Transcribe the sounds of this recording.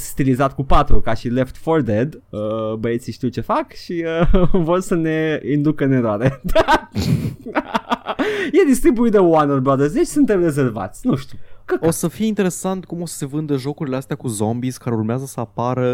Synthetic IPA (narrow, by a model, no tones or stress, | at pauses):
st̪ilizat̪kupat̪ɾukaʃile̞ft̪ford̪ed̪əbəe̞t̪siʃt̪iwt͡ʃe̞fakʃiəvo̞rsəne̞ind̪ukəne̞ɾoaɾed̪a | jed̪ist̪ɾibuid̪əwanorbɾɔd̪erseʃsunt̪emre̞ze̞rva̰t̪sʲnuʃt̪ʲukəosəfijeint̪e̞ɾe̞sant̪kumo̞sə̥se̞vɨnd̪əʒo̞kuɾileast̪eakuzo̞mbiskaɾeurmeazəsəapaɾə